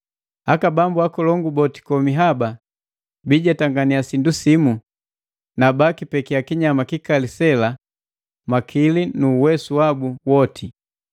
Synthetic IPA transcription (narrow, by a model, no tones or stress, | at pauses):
hakabambuakɔlɔŋɡubɔti̥kɔmiɦaba | biɟataŋɡaniasindusimu | nabakipɛkiakiɲamakikalisɛla | makʰilinuːwɛsuwabuwɔtʰi